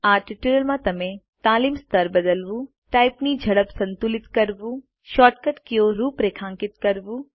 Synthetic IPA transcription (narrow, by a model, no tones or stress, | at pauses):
aːʈɪʈuɾəlmãt̪ɐmẽ | t̪aːliːmst̪əɾbɐd̪əlʋu | ʈaːɪpnid͡ʒʱɐɽəpsɐ̃nt̪ulɪt̪kɐɾbu | ʃɔːʈkəʈkijoɾuːpɾeːkʰãːŋkɪt̪kɐɾbuː